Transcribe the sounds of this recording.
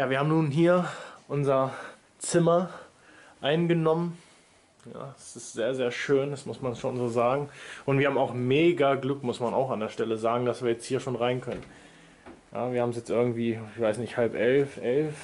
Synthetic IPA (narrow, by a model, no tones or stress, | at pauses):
jaːviːɐaːbm̩nuːnɦiːɐʔʊnzɐ | t͡sɪmɐ | ʔaɪnɡənɔmən | ja̰ːsɪstz̥eːɐzeːɐʃøːndasmʊsmansʃoːnzoːzaːɡŋ̩ʔʊntv̥iːɐhabmaʊxmeːɡaɡlʏkmʊsmana̰ʊxandeːɐʃtɛləzaːɡŋ̩dasv̥iːɐjɛt͡sthiːɐʃoːnʁaɪnkʰœnən | ja̰ːviːɐhaːm̩sjɛt͡stʔɪɐɡŋ̩tv̥iːɪçv̥aɪsnɪçthalpʔɛlfʔɛlf